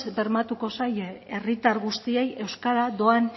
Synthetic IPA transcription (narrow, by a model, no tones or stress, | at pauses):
be̞ɾmat̪uko̞saje̞rit̪aɾɣust̪ie̞je̞wskaɾad̪o̞an